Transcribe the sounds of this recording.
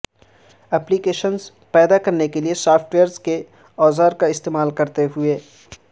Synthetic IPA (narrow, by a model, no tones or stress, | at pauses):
ɛplikeːʃənz | pɛːd̪akɐɾnekeliesaːpʰʈʋeːəɾzke | ɔːzaːɾkaɪst̪eːmaːlkɐɾt̪eɦʊeː